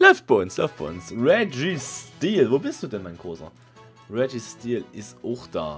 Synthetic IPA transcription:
lɔʏft̚b̥aɪʊnslɔʏftb̥aɪʊnsʁɛd͡ʒistiːlvoːbɪstd̥uːdɛnmaɪnɡʁoːsɐ̰ | ʁɛd͡ʒistiːlʔɪsʔʊʊxd̥a̰ː

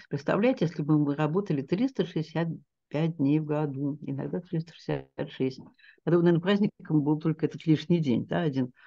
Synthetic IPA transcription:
pɾʲɪt̪st̪ɐ̰vlʲæjtʲjesʲlʲɪmɨmɨɾɐbo̞t̪əlʲɪt̪ɾʲist̪əʂɨɪsʲat̪̚ | pʲæt̚ʲd̪ʲnʲejvɡɐd̪uɪ̰nɐ̰ɡd̪at̪ɾʲist̪ə̥ʂɨ̥sʲa̰t̪ʂɛsʲtʲ | pɐt̪omənɐenəpɾazʲnʲɪkkəmbɨlˠt̪o̞lʲkəɛt̪ət̪lʲiʂnʲɪjdʲḛnʲd̪aɐdʲin

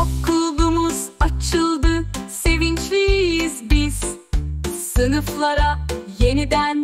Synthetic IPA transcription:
kʰːɯlˠd̪umɯzat͡ʃʰɯlˠd̪ɯse̞vint͡ʃlʲiːjizbiz̥ | sɯnɯflˠaɾaje̞nid̪æn

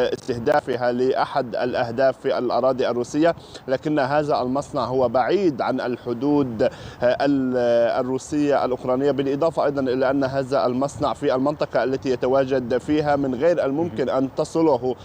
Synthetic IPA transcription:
ʔɪst̪ɪhd̪aːfɪɦalɪʔaħad̪a̰lʔahd̪aːfːiʔa̰lʔɑ̰ɾˤɑːd̪ˤiʔarːuːsɪjːalaːkɪnːɦaːðaʔalmɑsˤnɑʕɦʊwːabaʕiːd̪ʕanʔalħʊd̪uːd̪ʔala̰rːuːsɪjːaʔa̰lʔʊkɾˤɑːnɪjːabɪlʔɨd̪ˤɑːfɑʔɑjd̪ˤɑnʔɪlaʔanːɦaːðaʔalmɑsˤnɑʕfiʔalmɪnt̪ˤɑqɑʔalːat̪ijat̪awaːd͡ʒad̪fiːɦamɪnɣeːɾʔalmʊmkɪnʔant̪ɑsˤɨlʊɦ

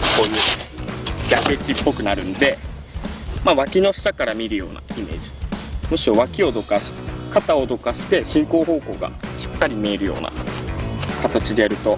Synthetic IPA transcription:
ko̞ni | ɡʲakɯet͡ɕipːo̞kɯ̟naɾɯ̟̃nd̪e̞ | maːβakʲino̞ɕi̥t̪akaɾamʲiɾɯ̟jo̞̰ːna̰ime̞̰ːʑi̥moɕio̞βakʲio̞d̪o̞kaɕkat̪ao̞d̪o̞kaɕi̥t̪e̞ɕĩŋko̞ːɦo̞ːko̞ːɡa̰ɕi̥kːaɾʲimieɾɯ̟jo̞̰ːna̰ | kat̪at͡ɕid̪e̞jaɾɯ̟t̪o

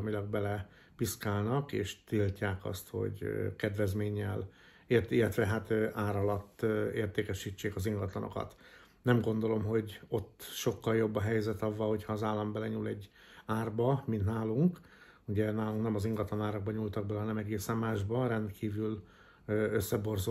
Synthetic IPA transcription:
milɒɡ̚bɛlɛ | piskaːlnɒkḛːʃt̪ilcaːkɒ̰st̪ho̞̰ɟkɛd̪ʋɛzmeːɲːɛl | eilːɛt̪ʋɛɦat̪øʔaːɾɒlɒt̪ːeːrt̪eːkɛʃit͡ʃːeːkɒziŋɡɒt̪lɒ̰no̞̰kɒ̰t̪ | nɛmɡo̞nd̪o̞lo̞mɦo̞ɟo̞t̪ːʃo̞kːɒljo̞bːɒɦɛjzɛt̪ɒvːɒlho̞cʰhɒːzaːlːɒmbɛlɛɲuːlɛɟːaːrbɒmint̪naːluŋk | uɟɛnaːluŋknɛmɒziŋɡɒt̪lɒnaːɾɔɡ̚bɒɲult̪ɒɡ̚bɛlɛɦɒnɛmɛɡeːsɛmːaːʒbɒɾɛnt̪kʰiːvyl | øøsːɛbo̞rzo

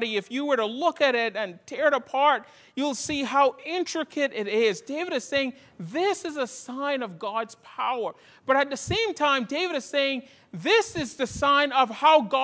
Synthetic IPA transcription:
ɾiɨfjɨwə˞ɾəlʊkɨɾɪɾɨ̃ntʰɛɹɨɾəpʰɑɹt̚ | jɨlˠsiɦaʊʔɪ̃nt͡ʃɹ̥ɨkʰɨɾɪɾɪzdeɪvɨɾɨz̥seɪɪ̃ŋ | ðɪsɨzəsãɪ̃nʌvɡɑdz̥pʰaʊə˞ | b̥ʌɾɨt̪̚ðɨsẽɪ̃mtʰãɪ̃mdeɪvɨɾɨz̥seɪɪ̃ŋ | ðɪsɨzðɨsãɪ̃nʌv̥haʊɡɑ

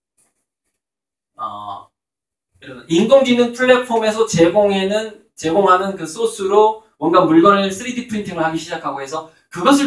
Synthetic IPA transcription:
a̰ | kɯɾʌiŋɡoŋɡinɯnpʰɯɭːe̞pʰome̞s̬ʰʌt͡ɕeɡoŋenɯn | t͡ɕe̞ɡoŋɦanɯnkɯs͈ʰosʰuɾo | mwʌnɡamuɭɡʌnes͈ʰɯɾidʰipʰɯɾintʰiŋɯɭhaɡiɕʰid͡ʑakʰaɡoɦe̞sʰʌ | kɯɡʌs̬ʰɯ

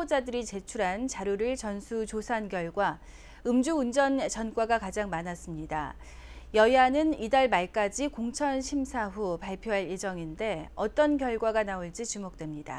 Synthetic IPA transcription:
od͡ʑadɯɾit͡ɕe̞t͡ɕʰuɾɦant͡ɕaɾjuɾɯɭt͡ɕʌnsʰut͡ɕosʰankjʌɭɡwa | ɯmd͡ʑuːnd͡ʑʌnt͡ɕʌnk͈waɡakad͡ʑaŋmanas͈ɯmɲida̰ | jʌjanɯnidaɭmaɭk͈ad͡ʑikoŋt͡ɕʰʌnɕʰimsʰaɸupaɭpʰjoɦaɭje̞d͡ʑʌŋinde̞ʌt͈ʌnkjʌɭɡwaɡanaoɭt͡ɕit͡ɕumok̚t͈we̞mɲida̰

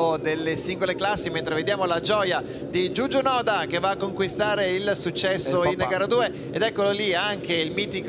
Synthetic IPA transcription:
od̪elːesiŋɡoleklasːiment̪ɾeved̪jaːmolad͡ʒɔːja | d̪id͡ʒud͡ʒonɔːd̪ak̟evaːkːoŋkwist̪aːɾeilsut͡ʃːɛsːoinkaɾad̪uːe | ed̪ɛkːololiaŋkeilmiːt̪ik

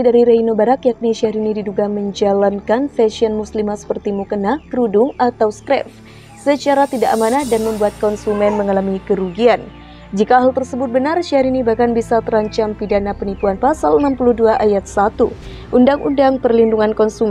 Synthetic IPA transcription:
idaɾiɾainobaɾakjak̚niʃiaɾinididuɡaməɲd͡ʒalankanfɛsiɔnmuslimasə̥pərt̪imukənakɾudʊŋat̪awskɾɛ̰f | sət͡ʃaɾat̪idaʔamanahdanməmbuat̪̚kɔnsumɛnməŋalamikəɾuɡian | d͡ʒikaːɦalt̪ərsəbʊt̪̚bənarʃiaɾinibahkanbisat̪əɾaɲt͡ʃampidanapənipuanpasalənampuluhduaʔajat̪̚sat̪u | ʔundaŋundaŋpərlinduŋankɔnsumɛ

